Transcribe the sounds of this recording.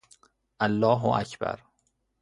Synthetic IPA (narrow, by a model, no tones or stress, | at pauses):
ʔalːɒːɦoæ̰cʰbæ̰ɾ